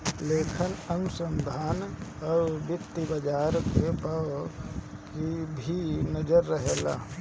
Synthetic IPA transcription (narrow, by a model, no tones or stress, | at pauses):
leːkʰɪnənsə̃md̪ʱaːnɔɾbɪt̪ːibɐd͡ʒaːɾkepaʋ | kibʱinəd͡ʒəɾːəɦela̰ː